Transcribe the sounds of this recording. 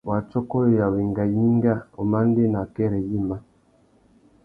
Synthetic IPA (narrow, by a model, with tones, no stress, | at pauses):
wa˨t͡ʃɔ˦kɔ˦ɔ˦˨ja˨wi˨ŋɡa˨ji˦ŋ˦ɡa˦˨o˨ma˦n˦de˦na˨kɛ˦ɾɛ˨ji˦˨ma˦